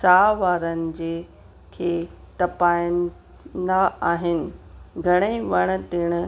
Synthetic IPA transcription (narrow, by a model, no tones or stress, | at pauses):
saːʋaːɾənɪ̆d͡ʑeː | kʰeː | t̪ɐpaːjən | d̪aaːɦɪnɪ̆ɡʱɐɽ̃eʋɐɽ̃t̪ɪɽ̃ʊ̆